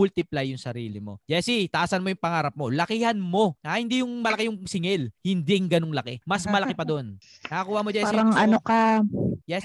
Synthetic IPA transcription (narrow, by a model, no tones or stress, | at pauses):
ʊlt̪ɪplajːʊŋsɐɾḭːlɪmo̞d͡ʒɛsit̪ɐʔaːsɐnmo̞jʊŋpɐŋaːɾɐp̚mo̞lɐkɪhɐnmo̞ahɪnd̪ijʊŋmɐlɐkɛjʊŋsɪŋɛlhɪnd̪iŋɡɐno̞ŋlɐkɛmɐsmɐlɐkɪpɐd̪oon | nɐkɐkuːhaʔmod͡ʒɛsiɾɐŋʔɐnokɐjɛs